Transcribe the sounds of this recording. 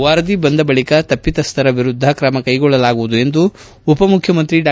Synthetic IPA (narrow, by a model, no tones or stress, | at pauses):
ʋaːɾɐd̪ibɐnd̪ɐbɐɭikɐt̪ɐpːit̪ɐst̪ʰɐɾɐʋiɾud̪ʱːɐkɾɐmɐkɐjɡɔɭːɐlaːɡuʋud̪ue̞nd̪uː | pɐmukʰjɐmɐnt̪ɾiɖaː